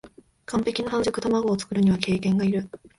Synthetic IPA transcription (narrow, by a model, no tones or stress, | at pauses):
kʰãmpe̞kʲinohãnzokɯ̟t̪amaɡo̞ːt͡sɨ̥kɯ̟ɾɯ̟ɲ̟iβake̞ːkẽ̞ŋɡaiɾɯ̟